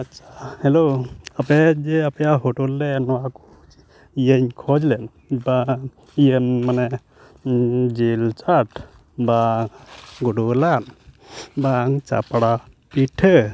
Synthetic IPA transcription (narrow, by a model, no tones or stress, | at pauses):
atːt͡ʃʰḁhɛloapɛd͡ʒɛapjaɦoʈulːɛnɔwaku | ijəɲkʰɔd͡ʒlɛn | ba | ijəmmanɛ | d͡ʒilt͡ʃaʈʰ | ba | ɡuɖulan | baŋt͡ʃa̰pɽa | piʈʰə